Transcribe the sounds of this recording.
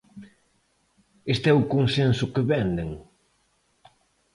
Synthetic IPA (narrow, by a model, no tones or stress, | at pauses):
est̪ɛʊkoŋsensʊkeβɛnd̪eŋ